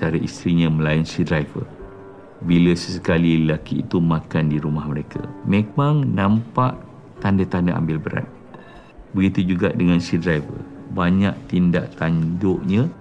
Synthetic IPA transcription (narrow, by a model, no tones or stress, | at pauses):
aɾaʔist̪ɾiɲə̃mə̃lainsidɾajvə̰ | biləsəsə̥kalillakḭːt̪umãkandiɾumahməɾekʰa̰memãŋnãmpaʔ | t̪andat̪andaʔa̰mbɪlbəɾa̰t̪̚ | bəɡit̪ud͡ʒuɡaʔdəŋãnsidɾajvə̰baɲãʔt̪inda̰ʔt̪andʊʔɲə̃